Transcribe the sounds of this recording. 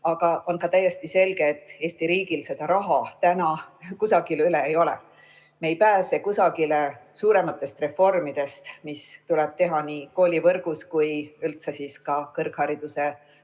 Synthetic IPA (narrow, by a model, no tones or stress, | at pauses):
ɑɡ̥ɑo̞nkɑt̪æjːe̞st̪ise̞lɡ̥e̞ːt̪ːˑe̞ːst̪iɾiːɡilse̞d̪̥ɑɾɑɦɑt̪ænɑkusɑɡ̥ilyleejo̞lɛ̰ | meejpæːse̞kusɑɡ̥ile̞suːɾe̞mɑt̪ːˑe̞st̪re̞fo̞rmid̪̥e̞st̪mist̪ulɛb̥̚t̪e̞ɦɑniːko̞ːlʲivɤrɡ̥uskujylt̪sesiːskɑkɤrkhɑɾid̪use̞